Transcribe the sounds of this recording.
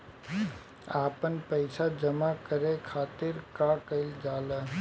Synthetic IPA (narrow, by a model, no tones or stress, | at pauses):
aːpənpəɪsad͡ʒəmakəɾekʰaːt̪ɪɾkakəɪld͡ʒaːlə